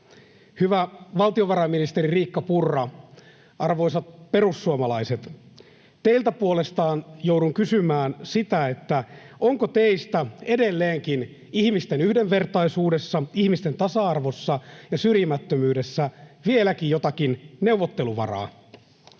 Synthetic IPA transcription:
hyʋæʋɑlt̪ioʋɑɾɑminist̪eririːkːɑpurːɑ | ɑrʋo̞jsɑt̪pe̞rusːuomɑlɑiset̪ | t̪eilt̪æpuolest̪ɑːnjowduŋkysymæːnsit̪æet̪ːæoŋkot̪eist̪æede̞lːeːŋkin | ihmist̪enyhdeʋʋe̞rt̪ɑisuːdesːɑihmist̪ent̪ɑsɑɑrʋosːɑjɑsyrjimæt̪ːømyːde̞sːæʋielækijjot̪ɑkinne̞uʋot̪ːe̞luʋɑ̰rɑ̰ː

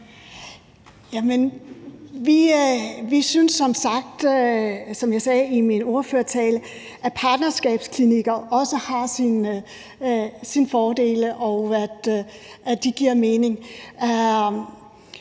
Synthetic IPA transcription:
jæmən | ʋiʋisynsːɒ̽msɑ̈ɡ̥̚d̥ | sɒ̽mjɑ̈ɪsɛːimino̝ɐføɐt͡sʰɛːlə | ʔæpʰɑ̈ːd̥nɐsɡ̥ɛ̰ːb̥skʰliniɡ̥ɐʔɒ̽səhɑ̈sin | sinfɒːd̥e̝̰ːləʔɒʊæd̥ʔæd̥iɡ̥iɐme̝ːne̝ŋ

